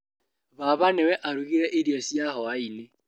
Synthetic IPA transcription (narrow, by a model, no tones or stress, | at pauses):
βaβanewɛʔaɾuɣiɾeʔedjɔsijaɦɔaile